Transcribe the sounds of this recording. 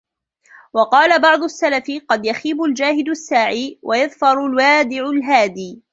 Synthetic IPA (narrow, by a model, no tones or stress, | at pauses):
wɑqɑːlabɑʕd̪ˤʊasːalafɪqɑd̪jaxiːbʊld͡ʒaːhɪd̪asːaːʕiːwʔajaðfɑɾˤʊlwaːd̪ɪʕʊlɦaːd̪iː